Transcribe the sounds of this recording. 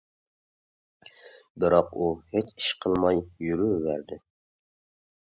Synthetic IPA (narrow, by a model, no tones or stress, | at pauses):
bɪɾɑquhet͡ʃɪ̥ʃqʰɨlˠmɑjjyɾyvæɾd̪ɪ